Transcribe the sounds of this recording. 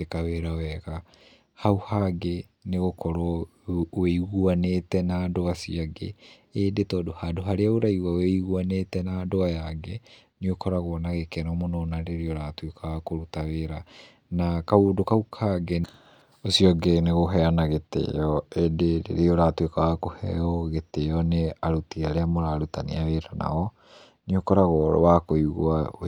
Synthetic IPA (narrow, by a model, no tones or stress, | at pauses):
tekaweɾawɛɣa | hauhaɡe | neɣokɔɾɔ | eiɣuanetɛnaːdoasiaɡḛ | edetɔːdohadoɦaɾeaoɾaiwaoweiɣuanetɛnadoajaɡɛ | niokʰɔɾaɣɔnaɣekɛnɔmononaɾeɾeoɾaːtwekʰawakoɾutaweɾa | nakaudokaukʰaɡɛ | osiɔɡeneɣoɦɛanaɣetḛɔedeɾḛɾeɔɾatwekawakohɛ̰ɔɣeteɔneaɾutiaɾeamoɾaɾutanḭaweɾana̰ɔ | niokɔɾaɣɔ̰wakoiɣwa